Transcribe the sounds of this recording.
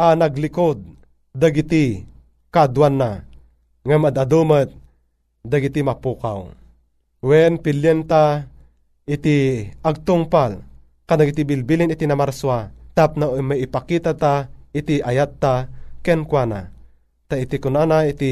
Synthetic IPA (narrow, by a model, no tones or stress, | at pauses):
ʔanaɡlɪkod̪̚ː | aɡit̪i | kad̪wanːa | ŋamad̪ad̪umət̪̚ | d̪aɡɪt̪imapuːka̰w | wɛnpɪljɛnt̪a | ɪt̪iʔaɡ̚t̪ʊŋpal | kad̪aɡit̪ibɪlbilinɪt̪inamaɾswat̪ap̚namaɪpakit̪at̪aɪt̪iʔajat̪ːakɛnkwana̰ | t̪ait̪ikʊnanaɪt̪i